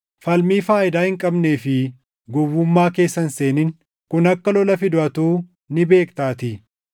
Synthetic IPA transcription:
fɐlmiːfaːʔɪd̪aːhɪŋkʼɐbneːfɪ | ɡɔwːʊmːaːke̞ːsːɐnseːnɪn | kʊnɐkːɐlɔlɐfɪd̪ʊɐt̪uː | nɪbe̞ːkt̪aːt̪ɪ

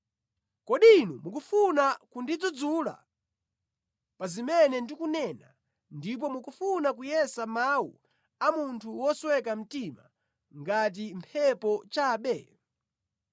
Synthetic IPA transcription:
kɔɗinumuk̬ufunakundid͡zud͡zula̰ | pazimɛnɛndikunɛna | ndip̬ɔmukufunakujɛsamawu | amuntʰuwɔswɛkam̩tima̰ | ŋɡat̬impʰɛpɔt͡ʃaːɓɛ

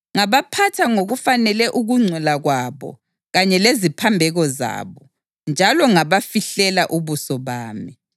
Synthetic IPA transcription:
ŋaβapʰatʰaŋoɣufanɛlɛʔuɣuŋ͡ǀʱɛlaɣwaβɔ̰ | ɣaɲɛlezipʰambʱɛɣɔza̰ːβɔ | nd͡ʒʱalɔŋaβafiɬɛlaʔuβusɔβaːmi

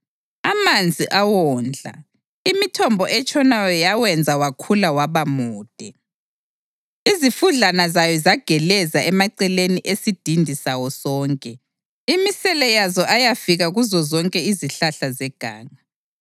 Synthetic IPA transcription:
amand͡zʱiʔawɔnd͡ɮʱa̰ | imitʰɔmbʱɔʔɛt͡ʃʰʼɔnajɔjawɛnd͡zʱawakʰulawaβamuːd̥ʱɛ | izifuɮanazajɔzaɡ̥ʱɛlɛzaɛmaǀɛleniʔesid̥ʱindʱisawɔsɔːŋkʼɛ | imisɛlɛjazɔʔajafiɣaɣuzɔzɔŋkʼɛiziɬaɬazɛɡ̥ʱa̰ːŋa

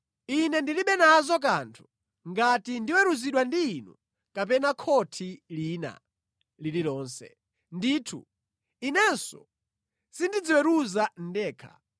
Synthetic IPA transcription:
inɛndiliɓɛnazɔk̬antʰu̥ | ŋɡatindiwɛɾuziɗwandiːnṵ | kapɛnakʰɔtʰiliːna̰ | lililɔːnsɛ̰ | ndiːtʰṵ | inɛnsɔ̰ | sindid͡ziwɛɾuzan̩dɛːkʰa̰

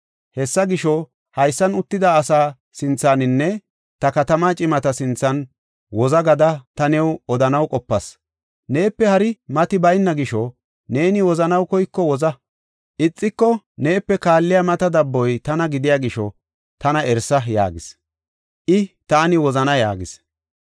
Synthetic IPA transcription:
hɛsːɐɡɪʃɔ | hɐjsːɐnʊt̪ːɪd̪aːsaː | sɪnt͡sːaːnɪnːɛ | t̪ɐkɐt̪ɐmaːt͡ʃʼɪmɐt̪ɐsɪnt͡sːɐn | wɔzɐɡɐd̪ɐt̪ɐnɛwɔd̪ɐnɐwkʼɔpːɐs | ne̞ːpːɛhɐɾɪmɐt̪ɪbɐjnːɐɡɪʃɔ | ne̞ːnɪwɔzɐnɐwkɔjkːɔwɔzɐ | ʔɪt͡sʼːɪkːɔ | ne̞ːpːɛkaːlːɪjɐmɐt̪ɐd̪ɐbːɔjt̪ɐnɐɡɪd̪ɪjaːɡɪʃɔ̰ | t̪ɐnɐʔɛɾsɐja̰ːɡɪs | ʔɪt̪aːnɪwɔzɐnɐja̰ːɡɪs

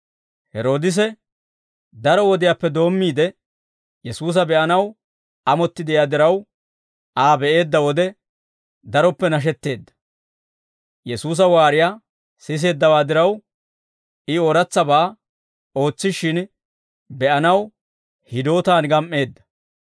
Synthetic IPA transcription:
hɛɾo̞ːd̪ɪs̬ɛ | d̪ɐɾɔwɔd̪ɪjaːpːɛd̪o̞ːmːiːd̪ɛ | jɛsuːs̬ɐbɛʔɐnɐw | ɐmɔt̪ːɪd̪ɪjaːd̪ɪɾɐw | aːbɛʔe̞ːd̪ːɐwɔd̪ɛ | d̪ɐɾɔpːɛnɐʃ̬ɛt̪ːe̞ːd̪ːɐ̥ | jɛsuːs̬ɐwaːɾɪjaː | sɪs̬e̞ːd̪ːɐwaːd̪ɪɾɐw | ɪɔɾɐt͡sːɐbaː | o̞ːt͡sːɪʃɪn | bɛʔɐnɐw | hɪd̪o̞ːt̪aːnɡɐmʔːe̞ːd̪ːɐ̥

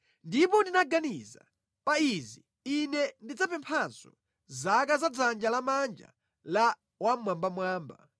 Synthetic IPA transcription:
ndipɔndinaɡaniza̰ | paizi | inɛndid͡zapɛmpʰanzɔ̰ | zakazad͡zand͡ʒalamand͡ʒa̰ | la | wamwambamwaːmba

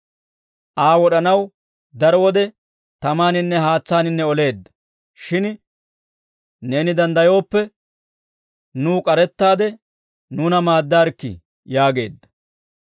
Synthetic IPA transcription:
ʔaːwɔɗɐnɐw | d̪ɐɾɔwɔd̪ɛ | t̪ɐmaːnɪnːɛɦaːt͡sːaːnɪnːɛɔle̞ːd̪ːɐ̥ | ʃɪn | ne̞ːnɪd̪ɐnd̪ɐjo̞ːpːɛ | nuːkʼɐɾɛt̪ːaːd̪ɛ | nuːnɐmaːd̪ːaːɾkːɪ̰ | jaːɡe̞̰ːd̪ːɐ̥

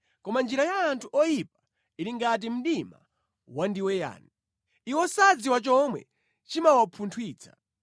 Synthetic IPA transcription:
kɔmand͡ʒiɾajaːntʰuʔɔjip̚ḁ | iɾiŋɡat̬im̩ɗima̰ | wandiwɛja̰ːni | iwɔsad͡ziwat͡ʃɔmwɛ̰ | t͡ʃimawapʰuntʰwiːt͡sʰḁ̰

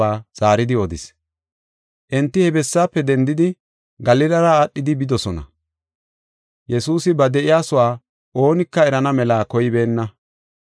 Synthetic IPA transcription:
aːz̥aːɾɪd̪ɪɔd̪ɪs | ʔɛnt̪ːɪhɛbɛsːaːpːɛd̪ɛnd̪ɪd̪ɪ | ɡɐlɪlɐɾɐːɗːɪd̪ɪbɪd̪ɔsɔnɐ̰ | jɛsuːsɪbɐd̪ɛʔɪjaːsʊwaː | ʔo̞ːnɪkːɐɛɾɐnɐmɛlaːkɔjɪbe̞ːnːɐ

